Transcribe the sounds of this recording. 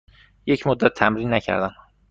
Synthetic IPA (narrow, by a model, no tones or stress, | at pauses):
jecʰmod̪ːæt̪ʰːæmɾiːnːæcʰæ̰ɾd̪æn